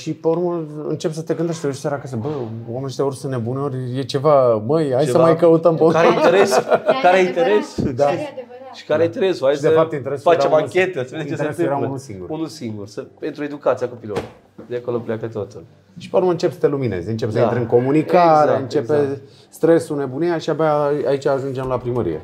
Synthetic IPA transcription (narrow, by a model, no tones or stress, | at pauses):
ʃipeuɾməɨ̰nt͡ʃe̞psət̪eɡɨnd̪eʃt̪eosaɾakas̬əbəwamenet̪euɾsɨnnebuneo̞ɾʲjet͡ʃe̞vaməjajsəmajkəut̪əmpeukaɾeineɾeskaɾeaint̪eɾesud̪a | ʃi̥kaɾejint̪eɾesuajsd̪efapt̪jeint̪eɾesufaemakʲet̪əaseeet͡ʃet̪eest̪ɨjeɾaunulsiŋɡṵɾunulsiŋɡursəpent̪ɾue̞d̪ukat̪sijakopiloɾ | d̪eakoloplʲakət̪ot̪ul | ʃi̥peɾumɨnt͡ʃe̞pest̪elumine̞̰zeɨnt͡ʃepesəɾeɨŋko̞munikaɾeɨnt͡ʃepe | st̪ɾesune̞bunejaʃiabeaait͡ʃaːʒund͡ʒemlapɾiməɾḭjḛ